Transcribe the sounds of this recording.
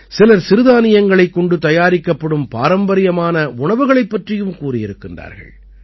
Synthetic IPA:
sɪlɐɾsɪɾɯðaːnɪjɐŋɡɐɭɐɪkːɔɳɖɯt̪ɐjaːɾɪkːɐpːɐɽɯmpa̰ːɾɐmbɐɾɪjɐmaːnɐʊɳɐʋɯɣɐɭɐɪpːɐʈrɪjɯmkuːrɪjɪɾɯkːɪndra̰ːɾɣɐ̰ɭ

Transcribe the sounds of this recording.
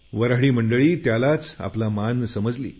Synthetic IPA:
ʋəɾaɦɭiːməɳɖəɭiːt̪jalat͡sa̰plamansəməd͡zlḭː

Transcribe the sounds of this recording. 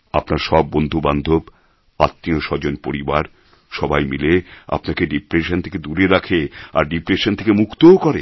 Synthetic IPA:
a̰pnaɾʃɔbːond̪ʱuband̪ʱob | at̪ːioʃɔd͡ʑonpoɾibaɾ | ʃɔbajmilea̰pnakeɖipɾeʃont̪ʰe̥ked̪uɾeɾakʰea̰ɾɖipɾeʃont̪ʰekemukʰt̪ookɔɾe

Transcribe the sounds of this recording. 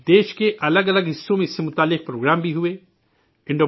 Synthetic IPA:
d̪eːʃkeʔɐləɡɐləɡɦɪsːõmẽɪsːemʊt̪aːlːɪq̚pɾoːɡɾaːmbʱiɦʊe | ɪ̃ɳɖoː

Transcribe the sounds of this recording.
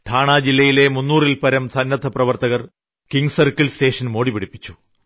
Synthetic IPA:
t̪ʰaːɳaːd͡ʑilːɐjile̞munːuːrilpɐɾɐmsɐnːɐt̪ʰːɐprɐʋɐrt̪ɐɣɐr | kiŋɡsɐrkːɐlste̞ːʂɐnmo̞ːɽipiɽipːit͡ɕːu̥

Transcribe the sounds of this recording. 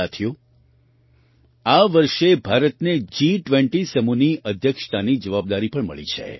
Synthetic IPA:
at̪ʰjo | aʋəɾʃebʱaɾət̪ned͡ʒiʈʋẽɳʈisəmuniʔəd̪ʱjəkʃt̪anid͡ʒəʋab̚d̪aɾipəɳmə̰ɭḭt͡ʃʰḛ

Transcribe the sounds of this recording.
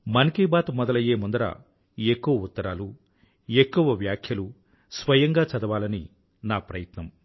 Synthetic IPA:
mɐnkiːbaːt̪mɔd̪ɐlɐjeːmund̪ɐɾa̰ | ekːuʋɐut̪ːɐɾaːlu | e̞kːuʋɐʋjaːkʰjɐlu | sʋɐjɐŋɡaːt͡ʃɐd̪ɐʋaːlɐnḭ | naːpɾɐjɐt̪nɐm

